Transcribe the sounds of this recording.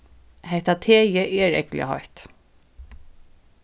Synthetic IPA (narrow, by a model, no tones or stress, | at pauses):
hɛht̪at̪ʰeːjəʔɛɹɛ̰klɪ̰a̰hɔ̰ht̪